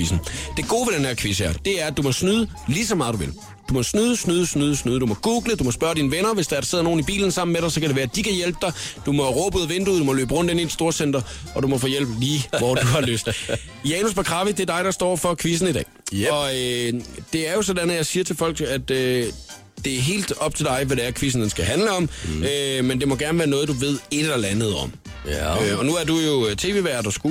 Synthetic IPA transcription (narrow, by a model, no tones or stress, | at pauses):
isn̩d̥e̝ɡ̥o̝̰ːʋed̥enæɐkʰʋisæɐd̥e̝æɐæd̥umɒ̽snyːð̞ˠə | lisɒmɑ̈ːðˠd̥uʋe̝l | d̥umɒ̽snyːðˠəsnyːðˠəsnyːðˠsnyːðˠd̥umɒ̽ɡ̥uːɡ̥ləd̥umɒ̽spɶɐdɾiːnəʋenɐʋe̝sd̥ɑ̈æɐɾɑse̝ð̞̰ˠno̝ːn̩ib̥ḭːln̩sɑ̈m̰n̩meɾ̥ɑ̈ɪsɒ̽kæɾeʋæːɐæd̥ikʰæjelb̥̚d̥ɑ̈ɪd̥umɒ̽ʁɔ̽ːb̥uð̩ˠʋend̥uð̩̰ˠd̥umɒ̽lø̰ːb̥ʁɔ̽n̰d̥enid̥id̥sd̥o̝ɐsen̰d̥ɐʔɒ̽dumɒ̽fɔ̰ːjel̰b̥liːʋɒd̥uhɑ̈lø̰ːsd̥ | jɛːnusb̥ʰækʰʁɑ̈ʋid̥eæɐd̥ɑ̈ɪɾ̥ɑ̈sd̥ɒ̰ːfɒ̽kʰʋis̬n̩idɛ̰ːɒ̽ød̥e̝æɐjo̝sɒdænð̩jɑ̈ɪsiːɐt͡sʰe̝fɒ̽l̰ɡ̥æd̥ø | d̥e̝æɐɦe̝̰ːld̥ɒ̽b̥̚t͡sʰe̝ld̥ɑ̈ɪʋæɾeæɐkʰʋis̬n̩d̥ensɡ̥æɦænləɒ̽mømend̥e̝mɒ̽ɡ̥æɐnʋæːɐnɔ̽ːð̞̩ˠd̥uʋe̝ð̞̰ˠe̝d̥lɐlænð̩ˠɒ̽m̰ | øɒ̽nuæɐdujo̝t͡sʰe̝̰ʋe̝ːʋæːɐd̥ɑsɡ̥u